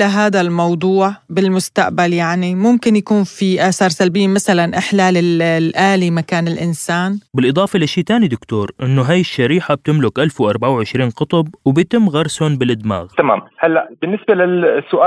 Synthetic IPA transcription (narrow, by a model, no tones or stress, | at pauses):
laɦaːd̪almɑwd̪ˤuːʕbɪlmʊst̪a̰ʔbaljaʕnimʊmkɪnjakuːnfiʔaːsɑːɾˤsalbɪjːamasalanʔɪħlaːlɪllʔaːlimakaːnɪlʔɪnsaːnbɪlʔɨd̪ˤɑːfɑlʔaʃiːt̪aːnid̪ʊkt̪oːɾʔɪnːʊɦaːjɪʃːaɾiːħab̚t̪ɪmlʊkʔalfwʔɑɾˤbaʕawʕɪʃɾiːnqɑt̪ˤɑb̚wɪbjt̪ɪmːɣɑɾˤsʊnbɪlʔɪd̪ma̰ːɣt̪ama̰ːmhalːaʔb̥ɪnːɪsbalɪsːʊʔaː